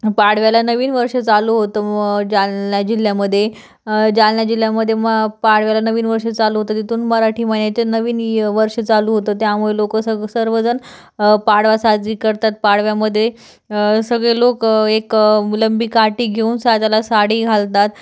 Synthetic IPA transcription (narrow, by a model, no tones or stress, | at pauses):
paɽ̤ʋjalanəʋiːnʋəɾʂət͡saluɦot̪əːd͡ʑalːjad͡ʑil̤jaməd̪ʱːje | d͡ʑalljad͡ʑil̤ːjaməd̪ʱːjeməpaɽʋjalanəʋiːnʋəɾʂət͡saluɦot̪əːt̪it̪ʰuːnməɾaʈʰiːmənjat͡ɕənəʋiːnʋəɾʂət͡saluːɦot̪əːt̪jamuɭelokəsəsəɾʋəd͡zən | paɽʋasad͡ziːkəɾt̪at̪̚paɽʋjaməd̪ʱːje | səɡɭelokekləmbiːkaʈiːɡʱeunsad͡zalasaɽiːɡʱalt̪at̪